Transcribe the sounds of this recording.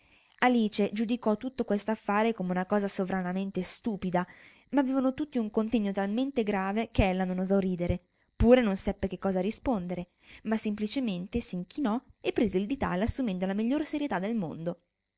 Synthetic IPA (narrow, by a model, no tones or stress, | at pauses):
aliːt͡ʃed͡ʒud̪ikɔt̪ːut̪ːokwest̪oafːaːɾekomeunakɔːzasovɾanament̪est̪uːpid̪a | maːvːeːvanot̪ut̪ːiuŋkont̪ɛɲːot̪alment̪eɡɾaːvekeɛlːanonozɔriːd̪eɾe | puːɾenonsɛpːek̟ekːɔːzarispond̪eɾe | masːemplit͡ʃement̪esiŋk̟inɔepːɾeːzeild̪it̪a̰lasːumɛnd̪olamiʎːoːɾseɾjet̪ad̪ːelmo̰nd̪o